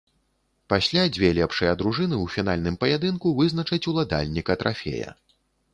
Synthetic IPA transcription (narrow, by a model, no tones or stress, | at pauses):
pasʲlʲad͡zʲvʲɛlʲɛpʂɐjɐd̪ɾuʐɨnɨwfʲin̪alʲnɨmpɐjad̪ɨnkuvɨznɐt͡ʂɐt͡sʲulˠad̪a̰lʲnʲikɐt̪ɾʔafʲɛ̰jɐ̰